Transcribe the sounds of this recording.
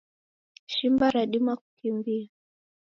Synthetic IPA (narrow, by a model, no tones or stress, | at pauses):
ʃimbaɾaɗimwaku̥kimvia